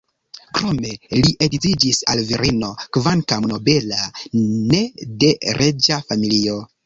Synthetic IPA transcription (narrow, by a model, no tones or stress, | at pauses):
kɾo̞me̞liʔeditid͡ʒisalviɾino̞kvankamno̞be̞lane̞de̞ɾʔed͡ʒafamilio̞